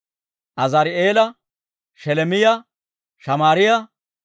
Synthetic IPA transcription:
ʔɐzɐɾɪeːlɐ | ʃɛlɛmɪjɐ | ʃɐmaːɾɪjɐ

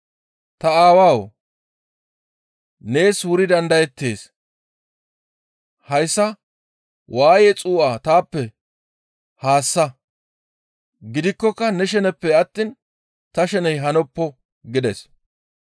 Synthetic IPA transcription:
t̪ɐaːwaːw | ne̞ːswʊɾɪd̪ɐnd̪ɐjɛt̪ːe̞̰ːs | hɐjsːɐ | wʔaːjɛt͡sʼuːʔaːt̪aːpːɛ | haːsːɐ | ɡɪd̪ɪkːɔkːɐnɛʃɛnɛpːɛɐt̪ːiːn | t̪ɐʃɛnɛjɦɐnɔpːɔ | ɡɪd̪ɛs

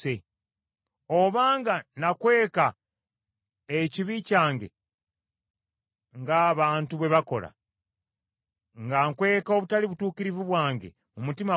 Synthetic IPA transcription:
e | o̞βaːŋɡanakwe̞ːka | eciβicaːŋɡe̞̰ | ŋɡaːβaːntuβwe̞βako̞la̰ | ŋɡaŋkwe̞ːkao̞βutaliβutuːkiɾivuβwaːŋɡḛ | mumutima

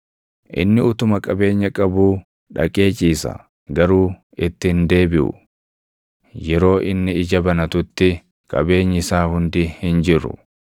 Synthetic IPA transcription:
ʔɪ̰nːɪʊt̪ʊmɐkʼɐbe̞ːɲːɐkʼɐbuː | ᶑɐ̰kʼe̞ːt͡ʃʼiːsɐ̰ | ɡɐɾuː | ɪt̪ːɪhɪnd̪e̞ːbɪʔʊ̰ | jɛɾo̞ːʔɪnːɪɪd͡ʒɐbɐnɐt̪ʊt̪ːɪ | kʼɐbe̞ːɲːɪsaːhʊnd̪ɪhɪnd͡ʒɪɾːʊ̰

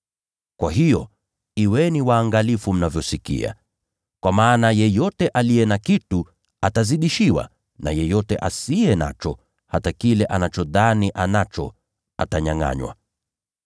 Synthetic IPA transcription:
kwʔaɦijɔ | iwɛniwaːŋɡalifum̩navjɔsikḭa̰ | kwamaːnajɛjɔtɛʔaliɛnakitu | ataziɗiʃiwa̰ | na̰jɛjɔtɛʔasiɛna̰t͡ʃɔ | hatakilɛʔanat͡ʃɔðaniʔanat͡ʃɔ̰ | a̰taɲaŋa̰ɲwa̰

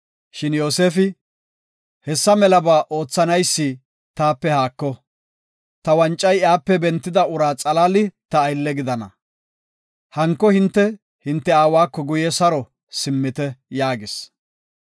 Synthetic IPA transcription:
ʃɪnjo̞ːse̞ːfɪ | hɛsːɐmɛlɐbaːʔo̞ːt͡sːɐnɐjsːɪ | t̪aːpːɛhaːkːɔ | t̪ɐwɐnt͡ʃʼːɐjaːpːɛbɛnt̪ːɪd̪ɐʊɾaːt͡sʼɐlalɪt̪ɐːjlːɛɡɪd̪ɐnɐ̰ | hɐŋkːɔhɪnt̪ːɛ | hɪnt̪ːɛaːwaːkːɔɡʊjɛsɐɾɔ | sɪmːɪt̪ɛjaːɡɪs

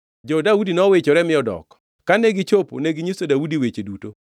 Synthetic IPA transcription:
d͡ʒɔdaudinɔwet͡ʃoɾɛmɪɔdɔ̰k | kːaneɡit͡ʃopo̰neɡɪɲisodaudiwet͡ʃeduto

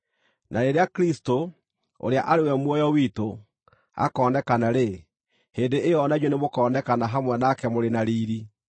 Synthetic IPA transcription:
naɾeɾeakɾisto | o̰ɾeaʔaɾewɛmwɔjɔwiːto | a̰kɔːndɛkanaɾe | heːndeʔejɔnaɲonemokɔːndɛkanaɦamwɛnakɛmoɾenaɾiːɾi

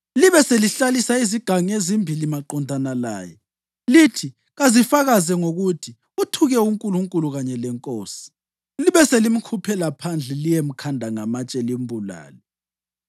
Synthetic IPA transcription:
liβɛseliɬalisaiziɡ̥ʱaŋiezimbʱilimaǃɔndʱanala̰ːjɛ̰ | litʰi | ɣazifaɣazɛŋoɣutʰi | utʰuɣɛuŋkʼuluŋkʼuluɣaɲɛlɛŋkʼoːsi̥ | liβɛselim̩kʰupʰɛlapʰand͡ɮʱɛlijem̩kʰandʱaŋamat͡ʃʼɛlimbʱula̰ːlɛ

